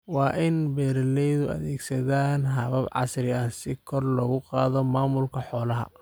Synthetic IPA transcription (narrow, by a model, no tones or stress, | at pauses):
wɑːʔɪnbɛːɾɐlɛjðʊɐ̰ðɛːɡsɐðaːnɦɐβɐbʕɑ̰srɪɐsɪkʰɔrlɔɣʊqɑːðɔmaːmʊlkʰɐħɔːlɐɦɐ̰